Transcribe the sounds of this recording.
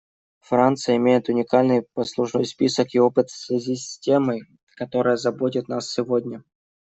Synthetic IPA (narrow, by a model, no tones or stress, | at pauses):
fɾant̪sɨjəɪmʲejɪt̪ʊnʲɪkalʲnɨjpɐslˠʊʂno̞jspʲisəkɪo̞pɨt̪fsvʲɪzʲisʲtʲeməj | kɐt̪o̞ɾɨjəzɐbo̞t̬ʲɪt̪nasːʲɪvodʲnʲə